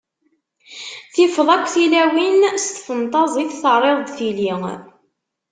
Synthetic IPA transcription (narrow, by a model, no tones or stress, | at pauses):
θɪfəðˤækʷːθilæwinst̪ə̥fənt̪ˤɑzˤiθθərˤːeðˤd̪θiliŋ